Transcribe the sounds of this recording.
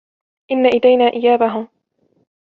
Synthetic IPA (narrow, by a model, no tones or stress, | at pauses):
ʔɪnːaʔad̪ajnaːʔɪjaːbaɦʊm